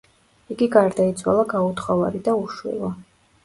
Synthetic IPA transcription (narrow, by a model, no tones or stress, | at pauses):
iɡiɡaɾd̪ait̪sʰwa̰lˠaɡaut̪ʰχɔvaɾid̪auʃwḭlˠɔ